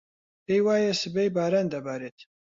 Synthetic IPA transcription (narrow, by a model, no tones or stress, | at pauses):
pejwaːjɛsɨbejbaːɾand̪ɐbaːɾet̪